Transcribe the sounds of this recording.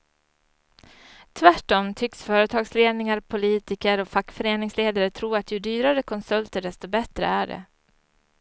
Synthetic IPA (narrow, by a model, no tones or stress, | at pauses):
t̪ʰvæʈːɔmt̪ʰʏksfœːɾət̪ʰɑːɡsleːd̪nɪŋaɾpʰʊliːt̪ɪkəɾɔfakːfœɾeːnɪŋsleːd̪aɾət̪ʰɾuːɾat̪jɵd̪yːɾaɾəkʰɔnsɵlt̪əɖɛst̪ɔbɛt̪ɾə̰æɖɛ̰